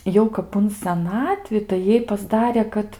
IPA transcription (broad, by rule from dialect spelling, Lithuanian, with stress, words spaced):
ˈjɛʊ kɐp ʊn sʲɛˈnɑːtʲʋʲɪ tɐɪ ˈjɛɪ pɐzˈdɑːrʲeː ˈkɐt